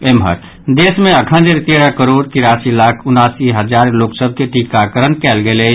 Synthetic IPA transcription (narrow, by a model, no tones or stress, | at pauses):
emɦə̰t̪ | d̪eːsmẽəkʰə̃nd̪eɾt̪eɾəkəɾoːɖt̪iɾasilaːkʰʊnaːsiɦəd͡ʒaːɾloksəb̚ʱkeʈikakəɾənkɛːlɡele